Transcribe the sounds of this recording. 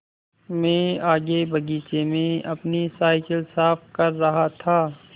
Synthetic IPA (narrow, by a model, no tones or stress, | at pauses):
mɛ̃ːaːɡebɐɡiːt͡ʃemẽɐpnisaːɪkəlsaːfkɐɾːɐɦat̪ʰaː